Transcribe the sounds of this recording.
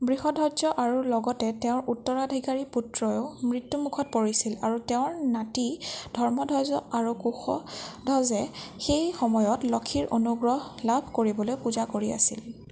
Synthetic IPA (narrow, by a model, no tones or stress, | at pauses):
bɹihɔdʱɔzɔʔaɹulɔɡɔtɛteʊ̃ɹʔutːɔɹadʱikaɹiputɹɔjoʊmɹitːumukʰɔt̚poɹisilaɹuteʊ̃ɹnatid̥ʱɔɹmɔdʱɔzɔaɹukuxɔdʱɔzɛxejxɔmɔjɔtlɔkʰiɹʔo̰nuɡɹɔɦlabʱkoɹibɔlojpuzakoɹia̰sḭl